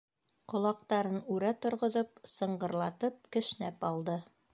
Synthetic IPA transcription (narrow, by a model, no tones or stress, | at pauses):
qŏlˠɑq̚t̪ɑɾɤnʉɾæt̪ŏɾʁŏðopsɤ̆ɴɢɤ̆ɾlˠɑt̪ɤp̚kɘ̆ʃnæpɑlˠd̪ɤ